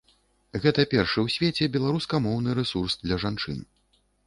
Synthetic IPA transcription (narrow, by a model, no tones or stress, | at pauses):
ɣɛt̪ɐpʲɛrʂɨwsʲvʲet͡sʲɛbʲɛlˠaɾuskɐmɔwnɨɾɛsursd̪lʲɐʐant͡ʂɨ̰n